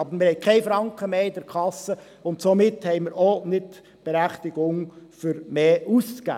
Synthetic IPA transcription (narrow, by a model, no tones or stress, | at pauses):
ɑbəɾmɪɾhɛɪkʰɛɪfɾɑŋkχəmeːɪdəɾkʰɑsːə | ʊntsomɪthɛɪməɾonɪt | b̥eɾæχtɪɡ̥ʊŋfʏɾmeːʔuskæ̰ː